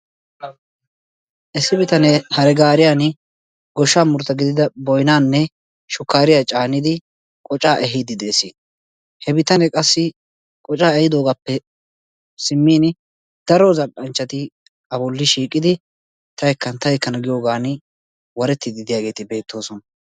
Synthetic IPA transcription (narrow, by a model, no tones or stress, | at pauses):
ʔɛsːɪbɪt̪ɐnɛhɐɾɛɡaːɾɪjaːn | ɡɔʃːaːmʊɾt̪ːɐɡɪd̪ɪd̪ɐbɔjnaːnːɛ | ʃʊkːaːɾɪjat͡ʃʼaːnɪd̪ɪ | kʼɔt͡ʃʼaːʔɛɦid̪ɪd̪eːsiː | hɛbɪt̪ɐnɛkʼɐsːɪ | kʼɔt͡ʃʼaːɛjɪd̪o̞ːɡaːpːɛ | sɪmːiːn | d̪̥ɐɾozɐʔʼːɐnt͡ʃːɐt̪ɪ | ɐbɔlːɪʃiːkʼːɪd̪ɪ | t̪ʰɐjɛkːɐnt̪ɐjɛkːɐnɐɡɪjo̞ːɡaːnɪ | wɐɾɛt̪ːɪd̪ɪd̪ɪjaːɡe̞ːt̪ɪbe̞ːt̪ːo̞ːsɔnɐ